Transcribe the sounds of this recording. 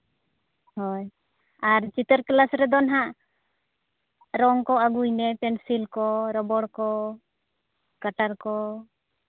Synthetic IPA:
hɔj | aɾt͡ʃit̪əɾklasɾɛd̪ɔnɦaʔ | ɾɔŋkɔaɡujnɛpɛnsilkɔɾɔbɔɽkɔ | kaʈaɾkɔ

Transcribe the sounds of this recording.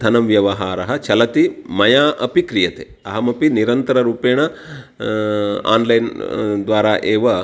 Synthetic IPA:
d̪ʱɐnɐmʋjɐʋɐɦaːɾɐɦɐt͡ʃɐlɐt̪imɐjaːʔɐpikɾijɐt̪eːɐɦɐmɐpiniɾɐnt̪ɐɾɐɾuːpeːɳɐ | a̰ːnlɐjnd̪ʋaːɾaːʔeːʋɐ

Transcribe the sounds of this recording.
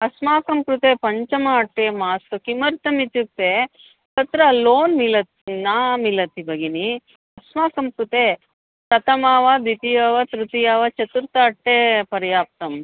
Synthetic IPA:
ɐsmaːkɐmkɾut̪eːpɐɲt͡ʃɐmaɐʈːeːmaːsɐkimɐɾt̪ɐmit̪juk̚t̪eː | t̪ɐt̪ɾɐlːoːnmilɐt̪naːmilɐt̪ibɐɡini | ɐsmaːkɐmkɾut̪eː | pɾɐt̪ɐmaːʋad̪it̪ijaːʋat̪ɾut̪ijaːʋɐt͡ʃɐt̪uɾt̪ɐːʈːeːpɐɾjaːp̚t̪ɐm

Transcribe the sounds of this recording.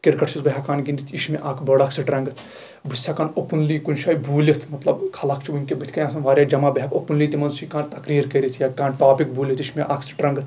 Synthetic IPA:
kiɾkɐʈʰt͡ʃʰisbɐɦakaːnɡind̪it̪ʰiʃmeʔaːkʰbɐɽaksiʈɾɐŋɡɨt̪ʰ | bɨsːakaːnopunliːkunʃaːjbʱuːlʲit̪ʰmɐt̪lɐbkʰɐlakʰt͡ʃʰibunkebɨt̪ʰʲkɐjãːsɐnʋaːɾʲjaːd͡ʒɐmaːbɐɦɐkopunliːt̪imɐnʃikaːnt̪ɐkɾiːɾkɐɾʲit̪ʰjakaːnʈaːpik̚bʱuːlʲit̪iʃmeʔaːksi̥ʈɾɐŋɡɨt̪ʰ

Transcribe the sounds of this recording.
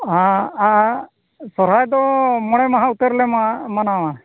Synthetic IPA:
ɦaa | sɔɾajd̪ɔmɔɽ̃ɛmaɦãut̪əɾlɛmanawa

